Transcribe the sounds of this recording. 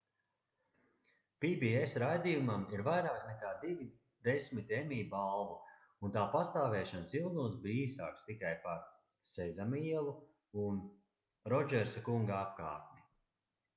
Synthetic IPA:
pibiesɾajd̪ijumamiɾvajɾaːknɛkaːd̪ivi | d̪esʲmit̪emʲiːbalˠvu | unt̪aːpast̪aːvɛːʃansilˠd̪uːt̪sbiːiːsaːkst̪ikajpaɾ | sɛzamiɛlˠu | un | ɾɔd͡ʒɛɾsakuŋɡaap̚ka̰ːɾt̪̚mʲi

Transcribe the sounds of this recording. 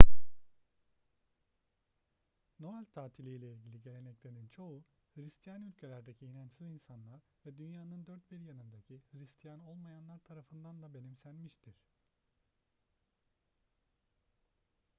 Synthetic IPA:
no̞alʲt̪ʰaːt̪ʰilʲijlʲɛilʲɟilʲiɟe̞lʲe̞nɛclʲe̞ɾint͡ʃʰo̞uhɯɾist̪ʰijanylʲcʰe̞lʲæɾd̪ecʰiːnant͡ʃsɯizinsanlˠaɾ | vɛd̪ynjaːnɯnd̪øɾt̪̚biɾjanɯnd̪acʰihɯɾist̪ʰijano̞lˠmajanlˠaɾt̪ʰaɾafɯnd̪and̪abe̞nimsænmiʃt̪ʰiɾ̥

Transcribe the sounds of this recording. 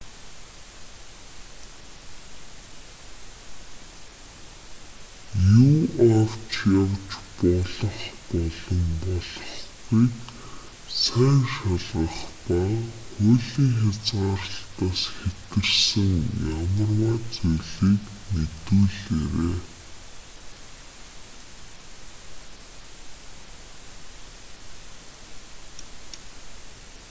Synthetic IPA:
juːawt͡ɕjawt͡ɕpɔɮɞ̆χpɔɮɞ̆mpɔɮɞ̆χɡujk | sæːŋʃaɮʁə̆χpaŋxʊɮiːŋxʲat͡sɢaːrə̆ɬt̪aːsxet̪ɡɘ̆rsɘ̆ŋjamə̆rwaːt͡sujɮiːknet̪uːɮeɾeː

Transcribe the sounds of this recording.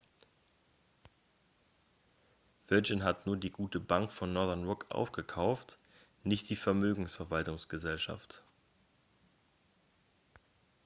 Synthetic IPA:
v̥ɪd͡ʒɪnɦatnuːɐdiːɡuːtəbaŋkfɔnːɔɐðɛɐnʁʊkʔa̰ʊfɡ̥əkʰaʊft | nɪçt̚d̥iːfɛɐmøːɡŋ̩sfɛɐvaltʊŋsɡ̥əzɛlʃa̰ft

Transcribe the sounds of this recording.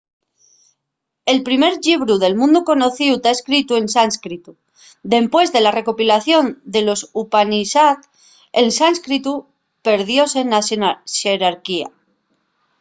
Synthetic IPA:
e̞lpɾime̞ɾʎiβɾuðe̞lmũnd̪uko̞no̞θiut̪aeskɾit̪ue̞nsanskɾit̪u | d̪e̞mpwe̞zðe̞lare̞ko̞pilaθjo̞nd̪e̞lo̞supanisat̪ | elsanskɾit̪u | pe̞ɾð̞jo̞se̞naʃeɾaɾkia̰

